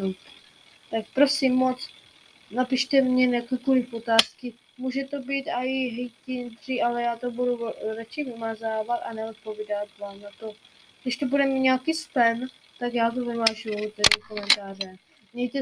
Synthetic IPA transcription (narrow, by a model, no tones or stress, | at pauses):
ut̪ | t̪ak̚pɾo̞simːot͡s | napɪʃt̪ɛmɲɛnakɛkolɪfot̪aːskɪ | muːʒɛt̪o̞biːt̪aɪɦɛjcɪnd̪r̥iʔalɛjaːt̪obuduɾat͡ʃɛvɪmazaːvat̪anɛot̪̚po̞vidat̪vaːmnat̪o̞ | ɡdɪʃt̪obudɛmiɲaːkiːspɛn | t̪akjaːt̪̬ovɪmaːʒuut̪ɛɾɪkomɛnt̪aːrɛ | mɲɛjt̪ɛ